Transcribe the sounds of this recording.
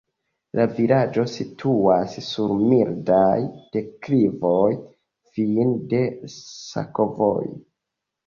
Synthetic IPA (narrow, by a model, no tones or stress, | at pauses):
lavilad͡ʒo̞sitʰuasːuɾmildajd̥e̞kɾivoj | finde̞sa̰ko̞vo̞̰j